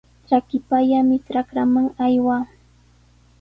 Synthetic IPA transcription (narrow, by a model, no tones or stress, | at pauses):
ʈ͡ʂakɪpaʎamɪʈ͡ʂɾakɾamaŋajwaː